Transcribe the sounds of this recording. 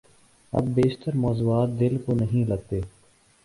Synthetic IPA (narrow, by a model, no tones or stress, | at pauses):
ɐ̰bːeːʃt̪əɾmɔːzuːaːt̪̚d̪ɪlkonəɦĩːləɡ̚t̪eː